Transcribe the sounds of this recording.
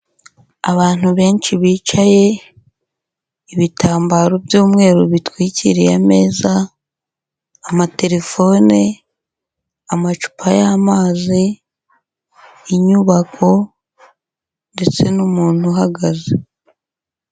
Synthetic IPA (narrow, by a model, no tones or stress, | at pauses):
aβaːn̥huβe̞ːnt͡ʃiβiːt͡ʃaje̞ | iβitʰaːmbaːɾo̞bjuːmŋe̞ːɾuβitwiːciɾijame̞ːza | mate̞ɾe̞fo̞ːne | amat͡ʃu̥pʰajaːmaːzi | ɲuβakʰo̞ | nde̞t͡se̞numuːn̥huɦaɡaze